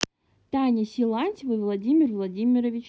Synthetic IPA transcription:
t̪ɑnʲisʲilˠɑnʲsʲvɨvlˠɐdʲimʲirvlˠɐdʲimʲiɾɔʋʲit͡ʃ

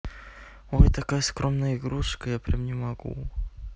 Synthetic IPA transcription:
ojt̪ɐkajəskɾo̞mnəjəɪɡɾuʂkəjapɾʲɛmnʲɪmɐɡṵ

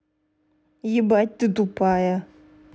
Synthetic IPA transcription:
jibat̚ʲt̪ɨt̪upaja

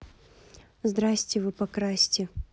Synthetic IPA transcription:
zd̪ɾasʲtʲɪvɨpɐkɾasʲtʲɪ

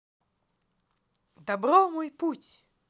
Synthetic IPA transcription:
d̪abɾɔmojputʲ

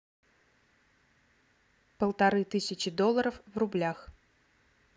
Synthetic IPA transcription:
pəlˠt̪ɐɾɨt̪ɨsʲɪt͡ɕɪd̪olˠːəɾəfvrʊblʲax

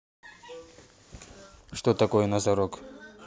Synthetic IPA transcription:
ʂt̪ot̪ɐkojɛnɐzɐɾok

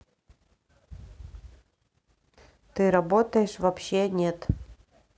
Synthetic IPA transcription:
t̪ɨɾɐbot̪əjɪʂvɐpɕːenʲet̪

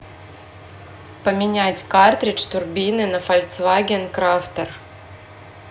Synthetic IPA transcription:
pəmʲɪnʲætʲkart̪ɾʲɪt͡ɕt̪ʊrbʲinɨnəfɐlʲt̪svaɡʲɪnkɾaft̪ər

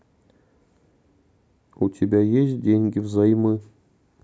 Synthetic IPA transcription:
utʲʰebʲæjeɕdʲeŋʲɡʲɪvzɑjmɨ

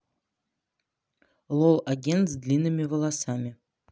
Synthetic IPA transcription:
lˠolˠɐɡʲent̪zd̪lʲinːɨmʲɪvəlˠasamʲɪ

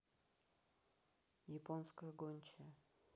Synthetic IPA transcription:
jɪponskəjəɡonʲt͡ɕɪ

